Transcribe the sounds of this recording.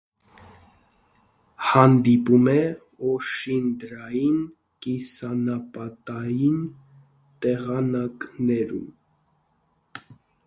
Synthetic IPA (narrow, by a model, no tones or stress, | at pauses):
hɑnd̪ipumɛ | ɔʃind̪ɾɑjin | kisɑnɑpɑt̪ɑjin | t̪ɛʁɑnɑknɛɾṵm